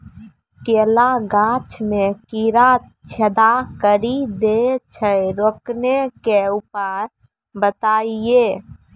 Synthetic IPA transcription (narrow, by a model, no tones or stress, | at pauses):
kelaɡãt͡ʃmekiɾat͡ʃʰəd̪akəɾid̪et͡ʃʰəɾoknekeupəɾ | bət̪aie